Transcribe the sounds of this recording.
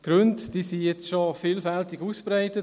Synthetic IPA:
ɡ̥ɾøntd̥iːsijɛt͡sʃofiːlfɛltɪɡuːspɾaɪtət

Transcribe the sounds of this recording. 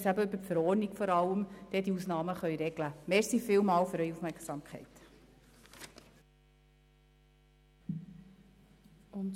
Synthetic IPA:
sæbəʏbətfəɾɔːɾnikfɔɾɑləmd̥ɛdiusnɑːməχœʏɾɛɡləmɛɾsifɪlmɑːlfʏɾœɥufmɛɾksɑːmkʰχɛɪt | ʊn

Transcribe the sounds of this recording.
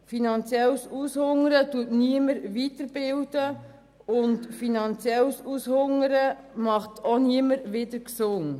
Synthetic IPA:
finɑnt͡sjɛlsushʊŋəɾətuətniəməɾʋitəɾb̥ɪld̥ə | ʊntfinɑnt͡sjɛlsushʊŋəɾə | mɑχtoniəməɾʋɪdəɾksʊŋ

